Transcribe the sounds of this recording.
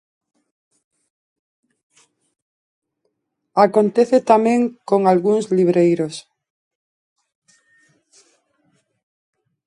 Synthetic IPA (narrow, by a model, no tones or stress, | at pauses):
akont̪eθet̪amẽŋkoŋalɣuŋszliβɾejɾos